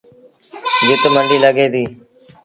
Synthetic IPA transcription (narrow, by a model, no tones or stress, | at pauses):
d͡ʒʊt̪məɳɖiːləɡeːd̪iː